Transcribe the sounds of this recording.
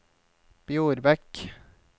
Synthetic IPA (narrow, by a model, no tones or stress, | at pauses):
b̥juːɾbɛk